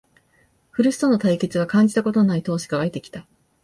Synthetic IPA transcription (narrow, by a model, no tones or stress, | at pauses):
ɸɯ̟ɾɯ̟si̥t̪o̞no̞t̪aike̞t͡sɨβ̞akãɲ̟d͡ʑi̥t̪ako̞t̪o̞nait̪o̞ːɕi̥ɡaβait̪e̞kʲi̥t̪a